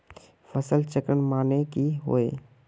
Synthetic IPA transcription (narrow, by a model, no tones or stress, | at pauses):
fʰɐsəlt͡ʃəkəɳmaːnekiɦo̰eː